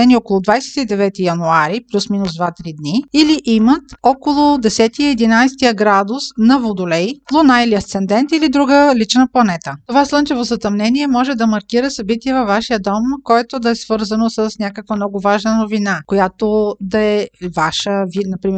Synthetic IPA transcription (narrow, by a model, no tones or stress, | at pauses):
ɛniɔkolˠʊd̪vajsɛ̥t̪id̪ɛvɛt̪ijɐnuaɾiplʲusminʊzd̪vat̪ɾid̪niiliʔimət̪ɔkolˠʊd̪ɛsɛt̪iɛd̪inajst̪ijəɡɾad̪ʊsnɐvod̪ʊlɛjlˠonailiɐst̪sɛnd̪ɛnt̪ilid̪ɾuɡəlit͡ʃnəplˠɐnɛt̪ət̪ovaslˠɤnt͡ʃɛvozɐt̪ɐmnɛniɛmɔʒɛd̪ɐmɐɾkiɾəsɐbit̪iɛvɐfvaʃijəd̪ɔmkɔjɛt̪od̪ɐɛsv̥ɤɾzənosəsnʲakəkvəmnɔɡʊvaʒnənovinakojat̪od̪ɐɛvaʃəvinɐpɾimɛ